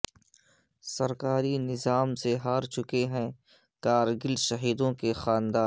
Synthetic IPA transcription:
sɐɾkaːɾinɪzaːmseɦaːɾt͡ʃʊkeɦɛ̃ | kaːɾɡɪlʃɐɦiːd̪õkexaːnd̪aː

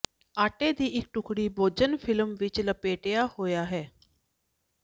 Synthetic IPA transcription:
aːʈeːd̪iːʔɪk̚ʈʊkʰɽiːboːd͡ʒənpʰɪlmʋɪt͡ʃləpeːʈejaːhoːjaːɦɛː

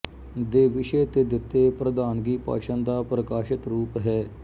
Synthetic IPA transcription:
d̪eːʋɪʃeːt̪eːd̪ɪt̪ːeːpɾəd̪aːnɡiːpa̰ːʃə̃nd̪aːpɾəkaːʃɪt̪ɾuːpɦɛː

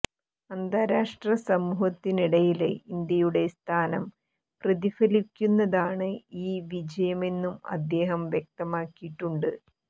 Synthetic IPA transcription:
ɐnd̪aːɾaːʂʈrɐsɐmuːhɐt̪ːiniɽɐjilḛind̪jɐjuɽe̞st̪ʰaːnɐm | prɐðifɐlikʲːunːɐðaːɳɨiːʋid͡ʑɐjɐme̞nːumɐ̰d̪ːe̞ːɦɐmʋjek̚t̪ɐmaːkːijiʈːuɳɖɨ

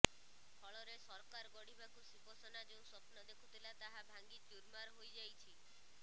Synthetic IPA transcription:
pʰɔɭɔɾesɔɾkaɾɔɡɔɽibakusiposɔnad͡ʒeũsɔpnɔd̪ekʰut̪ʰilat̪aɦabʱaŋɡit͡ʃuɾmaɾɦojd͡ʒajt͡ʃʰi

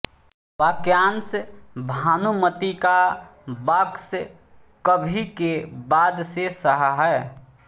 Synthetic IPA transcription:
ʋaːkjaːnsbʱaːnumət̪ikabəkskəbʱikebaːd̪sesəɦɦɛː

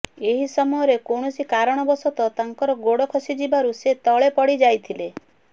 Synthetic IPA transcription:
eɦisɔmɔjɔɾekoɽ̃ɔsikaɾɔɽ̃ɔbɔsɔt̪ɔt̪aŋkɔɾɔɡoɽɔkʰɔsid͡ʒibaɾuset̪ɔɭepɔɽid͡ʒajt̪ʰile

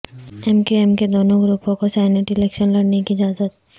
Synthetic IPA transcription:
ɛmkiɛmked̪oːnõɡɾuːpõkosaːɪneʈɪlɛːkʃənlɐɽnekiɪd͡ʒaːzət̪̚

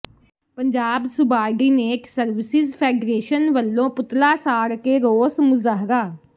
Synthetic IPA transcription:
pəɲd͡ʒaːbsʊbaːɖiːneːʈsəɾʋɪsɪzpʰɛːɖɾeːʃənʋəlːõːpʊt̪laːsaːɽkeːɾoːsmʊzaːɦɾaː

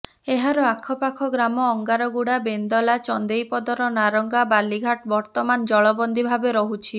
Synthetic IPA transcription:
eɦaɾɔakʰɔpakʰɔɡɾamɔːŋɡaɾɔɡuɽabend̪ɔlat͡ʃɔnd̪ejpɔd̪ɔɾɔnaɾɔŋɡabaliɡʱaʈbɔɾt̪ɔmand͡ʒɔɭɔbɔnd̪ibʱabeɾɔɦut͡ʃʰi

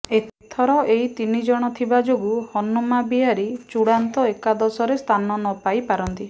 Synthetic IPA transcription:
et̪ʰt̪ʰɔɾɔʔeit̪inid͡ʒɔɽ̃ɔt̪ʰibad͡ʒoɡuhɔnumabiaɾit͡ʃuɽant̪ɔekad̪ɔsɔɾest̪ʰanɔnɔpajpaɾɔnt̪i

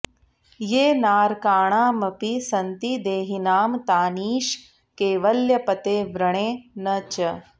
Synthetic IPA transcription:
jeːnaːɾkaːɳaːmɐpisɐnt̪id̪eːɦinaːmt̪aːniːʃ | keːʋɐljɐpɐt̪eːʋɾɐɳeːnɐt͡ʃɐ

